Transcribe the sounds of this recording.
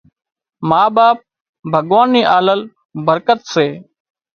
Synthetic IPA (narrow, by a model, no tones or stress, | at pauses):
maːbaːp̚ | bʱəɠʋaːniːʔaːləl | bəɾkət̪seː